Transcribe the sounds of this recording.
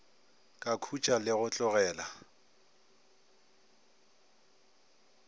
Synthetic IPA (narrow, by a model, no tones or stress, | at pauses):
kʼakʰut͡ʃʼalɪɣʊt͡ɬʼʊɣɛːla